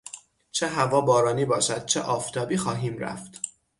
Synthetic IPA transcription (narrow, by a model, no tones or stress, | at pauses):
t͡ʃʰeɦævɒːbɒːɾɒːniːbɒːʃæd̪̥̚t͡ʃʰeʔɒːft̪ʰɒːbiːxɒːɦiːmɾæ̰ft̪